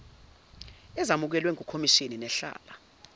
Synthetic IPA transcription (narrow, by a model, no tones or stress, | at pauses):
ɛzamuk̬ɛlwɛŋukʰomiʃininɛɬa̰ːla